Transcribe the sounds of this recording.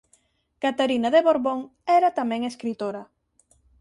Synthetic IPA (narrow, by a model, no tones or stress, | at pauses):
kat̪aɾinaðeβoɾβoŋɛɾat̪amɛ̃ŋeskɾit̪oɾɐ